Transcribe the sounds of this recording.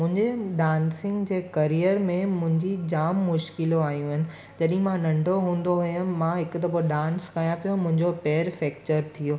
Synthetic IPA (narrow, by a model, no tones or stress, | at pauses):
mʊ̃ɦɪ̃ɲd͡ʑeɗaːnsɪ̃ŋɡd͡ʑeːkɐɾijəɾmẽmʊ̃ɦɪ̃ɲd͡ʑid͡ʑaːmːʊʃkɪloaːɦijũɦɪnɪ̆ | d͡ʑɐɗɦĩmãnɐ̃ɳɖʱoɦũːn̆d̪oɦʊjənmãɦɪkʊt̪ɐpoɗãːnskajãpijõmʊ̃ɦɪ̃ɲd͡ʑopɛːəɾfɛːk̚t͡ɕəɾt̪ʰijoː